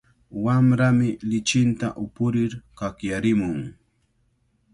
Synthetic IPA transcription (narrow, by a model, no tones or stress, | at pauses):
wamɾamɪlɪt͡ʃɪnt̪aʔʊpʊɾɪɾkakjaɾɪmʊŋ